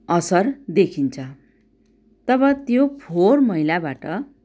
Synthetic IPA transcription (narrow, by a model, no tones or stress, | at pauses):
ʌsʌrd̪ekʰint͡sʰʌ | t̪ʌbʌt̪jopʰormʌɦilabaʈʌ